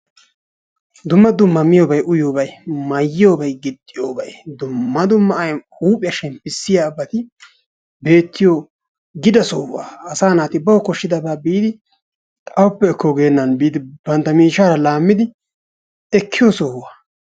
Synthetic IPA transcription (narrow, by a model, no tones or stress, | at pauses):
d̪ʊmːɐd̪ʊmːɐmɪjoːbɐjʔʊjoːbɐjmɐjːjoːbɐjɡɪd̪ːɪjoːbɐjd̪ʊmːɐd̪ʊmːɐɐjhuːpʼɪjɐʃɛmpːɪsːɪjaːbːɐt̪ɪ | be̞ːt̪ːɪjoː | ɡɪd̪ɐsoːwa̰ːɐsaːnaːt̪ɪbɐwɔkɔʃːɪd̪ɐbaːbiːd̪ɪ | t̪ʼɐwʊpːɛːkːoɡe̞ːnːɐnbiːd̪ɪbɐnt̪ːɐmiːʃaːɾɐlaːmːɪd̪ɪ | ɛkʰːɪjoːsoːwaː